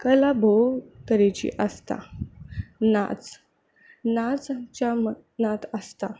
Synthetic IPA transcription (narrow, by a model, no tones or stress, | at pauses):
kəlabʱot̪əɾet͡ɕḭʔəst̪a̰ | na̰t͡s | nad͡zt͡ɕamə | nat̪əst̪a